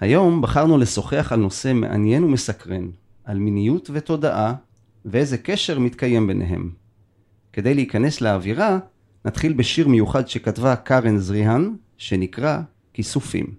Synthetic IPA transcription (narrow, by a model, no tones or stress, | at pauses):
hajo̞mbaχaʁnule̞so̞χeaχalno̞se̞me̞̰ʔa̰nje̞nume̞sakʁe̞n | ʔalminijutvet̪o̞daʔa | veeze̞ke̞ʃe̞ʁmit̪kaje̞mbe̞nʔe̞̰ɦe̞̰m | ke̞d̪e̞jleikane̞sleaviʁa | nat̪χilbeʃiʁmejuχadʃe̞katvakaʁenzʁiɦan | ʃe̞nikʁa | kisufḭm